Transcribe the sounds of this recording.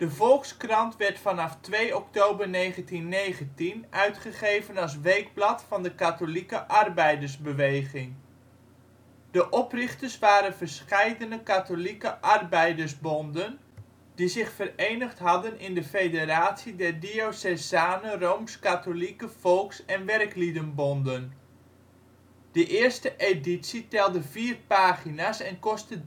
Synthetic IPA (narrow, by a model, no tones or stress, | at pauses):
d̥əvɔlˠkskrɑntʋɛɹtfɑnɑftʋejɔk̚towbərnejχəntinːejχəntinœɥtχəχejvənɑlˠs̬ʋejɡ̚blɑtfɑndəkatolikəʔɑrbɛjdəɹzbəʋejχɪŋ | d̥əʔɔprɪχtəsʋaːɾənvərsχɛjdənəkatolikəʔɑrbɛjdəɹzbɔndən | dizɪχfərejnəχtɦɑdənɪndəfejderaːtsidɛrdiosɛzaːnəroːmskatolikəfɔlˠksɛnʋɛrklidənbɔndən | d̥əʔɪərstəʔeditsitɛlˠdəv̥iːrpaːχinasɛnkɔstə